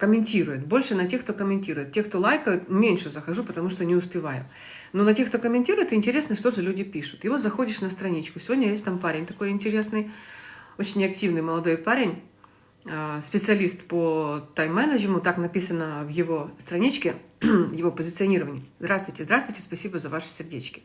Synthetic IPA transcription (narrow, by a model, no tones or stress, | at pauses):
kəmʲɪnʲtʲiɾʊjɪt̪bo̞lʲʂɨnɐtʲe̞xkt̪okəmʲɪnʲtʲiɾʊjɪt̪̚tʲexkt̪o̞lˠajkəjʊt̪mʲenʲʂɨzəxɐʐupət̪ɐmuʂt̪onʲɪʊspʲɪvajʊ̰ | nonɐtʲekt̪okəmʲɪnʲtʲiɾʊjɪt̪ɨɪnʲtʲɪɾʲe̞snəʂt̪o̞ʐɨlʲudʲɪpʲiʂʊ̥t̪jɪvo̞zɐxo̞dʲɪʂnəst̪ɾɐnʲit͡ɕkʊsʲɪvo̞dʲnʲɐjesʲtʲt̪ampaɾʲɪnʲt̪ɐko̞jɪnʲtʲɪɾʲe̞snɨj | o̞t͡ɕɪnʲɐktʲivnɨjməlˠɐd̪o̞jpaɾʲɪnʲ | əspʲɪt̪sɨɐlʲist̪pot̪ajmːɛnəʑɪmʊt̪aknɐpʲisənəvjɪvo̞st̪ɾɐnʲit͡ɕkʲɪvjɪvo̞pəzʲɪt̪sɨɐnʲiɾəvənʲɪjzd̪ɾast̪vʊjʲtʲɪzd̪ɾast̪vʊjʲtʲɪ̥spɐsʲibəzɐvaʂɨ̥sʲɪrdʲet͡ɕkʲɪ̥